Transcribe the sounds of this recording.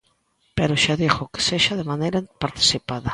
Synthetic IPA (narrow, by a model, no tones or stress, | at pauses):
peɾoʃaðixoke̥seʃaðemanejɾapaɾt̪i̥sipaðɐ